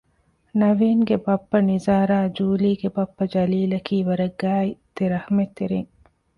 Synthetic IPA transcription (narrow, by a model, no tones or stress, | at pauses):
nɐʋiːŋɡebɐpːɐnizaːɾaːd͡ʒuːliːɡebɐpːɐd͡ʒɐliːlɐkiːʋɐɾɐɡːaːit̪eɾɐhɐmet̪ːeɾeŋ